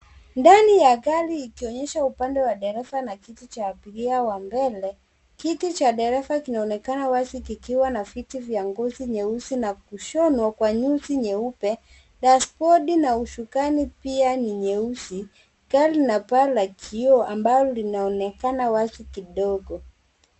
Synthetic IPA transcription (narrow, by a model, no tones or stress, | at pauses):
ndanijakaliːkiɔɲɛʃaupandɛwaɗɛɾɛsanakitit͡ʃaːpiliawambɛlɛ | kitit͡ʃaɗɛɾɛfakinaɔnɛkanawasikikiwanavitivjaŋɡɔziɲɛusinak̚uʃɔnwakwaɲusiɲɛupɛ | ɗaspɔɗinauʃukanipianiɲɛusi | kalinapalakʰiɔambalɔlinaɔnɛkanawasikiɗɔɡɔ